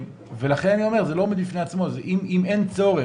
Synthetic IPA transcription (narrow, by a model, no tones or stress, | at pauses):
ve̞laχe̞nanio̞me̞ʁzelomed̪bifne̞at͡smo̞zeʔimiment͡so̞ʁe